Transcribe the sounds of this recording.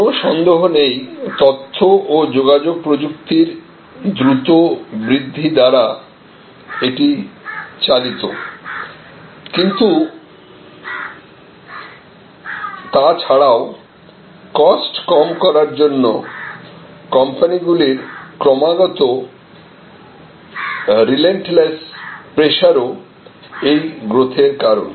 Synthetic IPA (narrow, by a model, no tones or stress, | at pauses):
oʃɔnd̪oɦonejt̪ɔt̪ʰːoʔod͡ʑoɡad͡ʑoɡ̚pɾod͡ʑuk̚t̪iɾ | d̪ɾut̪obɾid̪ʱːid̪aɾa | eʈit͡ɕalit̪o | kint̪u | t̪at͡ɕʰaɽao | kɔsʈkɔmkɔɾaɾd͡ʑonːo | kɔmpaniɡuliɾkɾɔmaɡɔt̪o | ɾileɳʈlespɾeʃaɾo | ejɡɾot̪ʰeɾkaɾo̰n